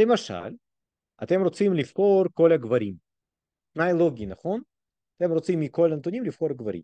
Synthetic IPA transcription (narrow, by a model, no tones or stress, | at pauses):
lemaʃa̰l | at̪e̞mɾo̞t͡simlivχo̞ɾko̞laɡvaɾim | t̪najlo̞ɡʲinaχo̞n | at̪e̞mɾo̞t͡simːiko̞lant̪onʲimlivχo̞ɾaɡvaɾḭm